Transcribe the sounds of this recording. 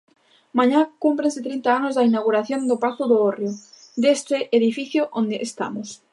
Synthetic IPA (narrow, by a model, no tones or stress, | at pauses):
mãɲakumpɾensɪt̪ɾint̪aanozðainawɣ̞uɾaθjond̪opat̪ʊðoorjo | d̪est̪eʔeðifiθjoʔond̪eʔːst̪a̰mos